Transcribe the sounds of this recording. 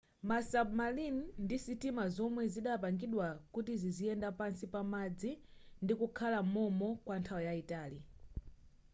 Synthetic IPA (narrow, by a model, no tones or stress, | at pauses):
masabmalinndisitimazɔmwɛziɗapaŋɡiɗwakutiziziɛndapansipamad͡zindikukʰalamɔmɔkwantʰawɔjaitaːli